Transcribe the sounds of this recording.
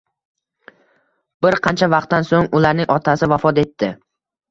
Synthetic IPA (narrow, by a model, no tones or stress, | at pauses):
bɪɾqʰɑnt͡ʃʰavɑq̚t̪ːansoŋʊlaɾnɪŋʔɒt̪ʰasɪvafɒt̪e̞t̪ʰːɪ